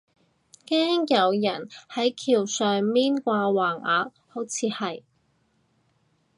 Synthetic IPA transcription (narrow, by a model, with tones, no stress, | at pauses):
kɛː˥ŋjɐ˨˧wjɐ˨˩nhɐ˨˥jkʰiː˨˩wsœː˨ŋmiː˥nkʷaː˧waː˨˩ŋaː˨t̚ | ho˨˥wt͡sʰiː˨˧hɐ˨j